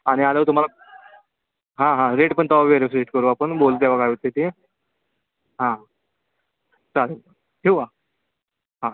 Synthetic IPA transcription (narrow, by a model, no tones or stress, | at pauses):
aɽ̃ialət̪um̤ala | ɦãɦãɾeʈpəɳt̪aʋieɾes̬ɾeʈkəɾuːapəɳbolt̪jaʋaɡaʋit̪et̪ie | ɦã | t͡salə | ɦeʋa | ɦã